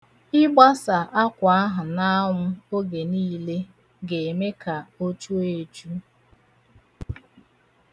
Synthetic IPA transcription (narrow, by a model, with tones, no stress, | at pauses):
ɪ˦ɡ͡ba˦sa˨ʔa˦kʷa˨a˦ɦʊ˨na˦ʊ˦o˦ɡe˨niː˦le˦ | ɡe˨e˨me˦ka˨o˦t͡ʃu˦e˨t͡ʃu˦